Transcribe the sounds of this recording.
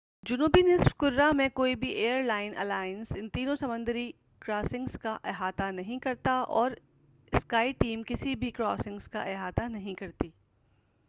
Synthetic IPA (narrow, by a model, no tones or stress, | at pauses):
d͡ʒʊnuːbinɪsfkʊɾɾamẽkoːibʱiʔeːəɾlaːɪnʔɐ̰laːɪənsɪ̃nt̪iːnõsɐmʊ̃nd̪əɾi | kɾaːsɪ̃ŋɡskaʔeːɦaːt̪anɐɦĩkɐɾt̪aʔɔːɾ | ɪskaːiʈiːmkɪsibʱikɾɔːsɪ̃ŋɡzka̰ʔeɦaːt̪anɐɦĩkɐɾt̪iː